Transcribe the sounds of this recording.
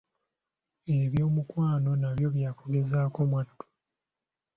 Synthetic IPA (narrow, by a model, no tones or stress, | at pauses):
e̞βjo̞ːmukwaːno̞naβjo̞βjaːkoɡe̞zaːko̞mwadːu̥